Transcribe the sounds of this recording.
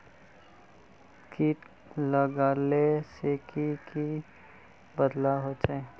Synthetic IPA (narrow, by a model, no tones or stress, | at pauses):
ki | ləɡaːleseːkiki | bəd̪laɦot͡ʃae